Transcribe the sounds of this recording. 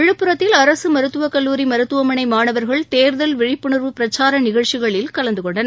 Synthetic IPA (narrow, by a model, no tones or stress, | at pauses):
ɪɻɯpːɯɾɐt̪ːɪlɐɾɐsɯmɐɾɯt̪ːɯʋɐkɐlːuːɾimɐɾɯt̪ːɯʋɐmɐnɐɪmaːnɐʋɐɾɣɐɭt̪eːɾðɐlʋɪɻɪpːɯɳɯɾʋɯpɪɾɐt͡ʃːaːɾɐnɪɣɐɻt͡ʃːɪɣɐɭɪlkɐlɐnd̪ɯkɔɳɖɐn